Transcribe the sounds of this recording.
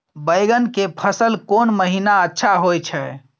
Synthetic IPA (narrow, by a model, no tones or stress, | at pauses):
bəjɡənkepʰəsəlkonməɦinaətːʃʰaɦojt͡ʃʰɛ